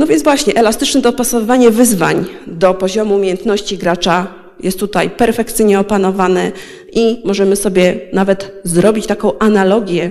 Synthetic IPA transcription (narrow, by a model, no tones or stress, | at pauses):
nɔvʲjɛnzvwaɕɲɛʔɛlast̪ɘt͡ʂnɛd̪ɔpasɔvɘvaɲɛvɘzva̰ɲd̪ɔpɔʑɔmuumʲejɛnt̪nɔɕt͡ɕiɡɾat͡ʂa | jɛ̰st̪ːut̪ajpɛɾfɛkt̪sɘjɲɛɔpanɔvanɛ | ʔimɔʐɛmɘsɔbʲjɛnavɛt̪zɾɔbʲit͡ɕt̪akɔ̃w̃ʔanalɔɡʲjɛ